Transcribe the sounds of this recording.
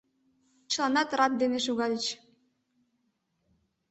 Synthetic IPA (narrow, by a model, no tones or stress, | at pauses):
t͡ɕɤ̆lˠɑnɑt̪rɑt̪̚d̪eneʃuɣɑlʲət͡ɕ